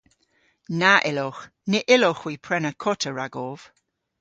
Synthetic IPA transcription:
naʔɪlɔχ | nɪʔɪlɔχw̥iːpʰɹɛnəkʰɔtʰəɹaɡɔv̥

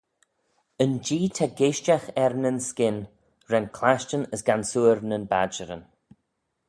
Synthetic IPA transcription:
ənd͡ʒiːtʰaɡeʃt͡ʃaxɛɾnənskɪn | ɾɛnkʰlaʃt͡ʃənəsɡansuːɾnənba̰d͡ʒəɾə̰n

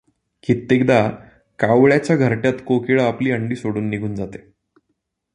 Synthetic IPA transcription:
kit̪ːekd̪a | kaʋɭjat͡ɕjaɡʱəɾʈjat̪kokiɭəapliːəɳɖiːsoɽuːnːiɡʱuːnd͡zat̪e̥

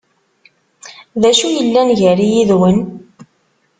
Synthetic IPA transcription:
ðæʃujəlːænʝəɾijiðwən

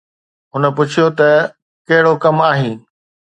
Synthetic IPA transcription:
ɦʊnə̆p̬ʊt͡ɕʰijot̪ɐ | kɐɦɪɽokɐmaːɦĩː

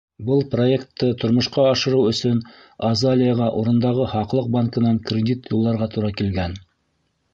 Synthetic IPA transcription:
bɤlˠproekt̪ːɤt̪ʰŏɾmŏʃqɑːʃɤ̆ɾɤwɵ̆sɵn | ɐzalʲɪjəʁɑʔuɾɤ̆nd̪ɑʁɤhɑqlˠɤq̚baŋkɤ̆nɑŋkrʲɪd̪ʲit̪julˠːɑɾʁɑt̪uɾɑkilɡæn

